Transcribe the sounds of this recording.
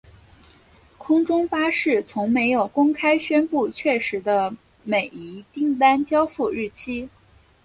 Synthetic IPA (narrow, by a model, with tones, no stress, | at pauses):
kʰʊ˥ŋʈ͡ʂʊ˥ŋfa˥ʂɻ̩˥˩t͡sʰʊ˧˥ŋme˧˥ɪjo˨˩ʊkʊ˥ŋkʰa˥ɪɕɥɛ˥npu˥˧t͡ɕʰɥɛ˥˩ʂɻ̩˧˥d̪ə˧ | me˨˩ɪi˧˥t̪i˥˩ŋt̪a˥nt͡ɕjɑ˥ʊfu˥˧ɻɻ̩˥˩t͡ɕʰi˥